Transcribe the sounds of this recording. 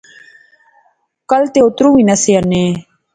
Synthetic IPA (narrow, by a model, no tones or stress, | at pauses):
kɐlt̪eot̪ɾuwinɐseane